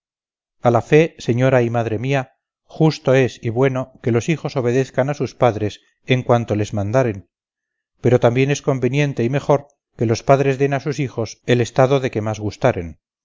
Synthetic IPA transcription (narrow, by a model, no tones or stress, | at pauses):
alafe̞se̞ɲo̞ɾaimaðɾe̞mia | xust̪o̞e̞siβwe̞no̞ke̞lo̞sixo̞so̞β̞e̞ðe̞θkanasuspaðɾe̞s | eŋkwant̪o̞le̞zmãnd̪aɾe̞n | pe̞ɾo̞t̪ambje̞ne̞sko̞mbe̞njẽ̞nt̪e̞ime̞xo̞ɾ | ke̞lo̞spaðɾe̞zðe̞nasusixo̞se̞le̞st̪aðo̞ðe̞ke̞mazɣust̪aɾe̞̰n